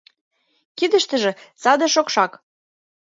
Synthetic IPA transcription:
kid̪ə̆ʃt̪ə̆ʒĕsɑd̪ɤ̆ʃokʃɑk

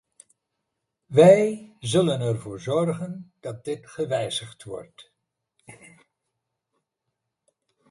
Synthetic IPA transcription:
ʋɛjzɵlənɛrvʊːɹzɔrχənd̥ɑt̚dɪtχəʋɛjzəχtʋɔ̰rt

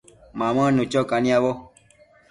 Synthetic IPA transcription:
mamənut͡ʃɔkanĩabɔ

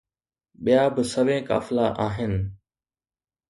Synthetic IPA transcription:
ɓijaːbɪsɐʋẽːka̰ːfɪlaʔaːɦɪnɪ̆

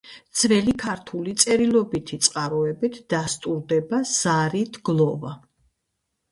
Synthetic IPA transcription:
d̪z̥ʰvɛlikʰaɾt̪ʰulit̪sʼɛɾilˠɔbit̪ʰit̪sʼqʼaɾɔɛbit̪ʰd̪̥ast̪ʼuɾd̪ɛbaz̥aɾit̪ʰɡlˠɔva

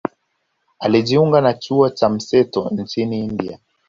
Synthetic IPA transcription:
aliʄiuŋɡanat͡ʃuɔt͡ʃam̩sɛtɔn̩t͡ʃiniːndia

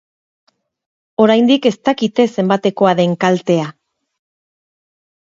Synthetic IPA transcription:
o̞ɾajnd̪ike̞st̪akit̪e̞se̞mbat̪e̞ko̞aðe̞ŋkalt̪e̞a

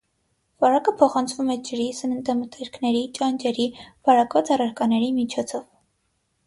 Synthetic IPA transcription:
vɑɾɑkəpʰɔχɑnt͡sʰvumɛd͡ʒəɾisənənt̪əmət̪ɛɾkʰnɛɾit͡ʃɑnd͡ʒɛɾivɑɾɑkvɑt͡sɑrɑɾkɑnɛɾimit͡ʃʰɔt͡sʰɔv

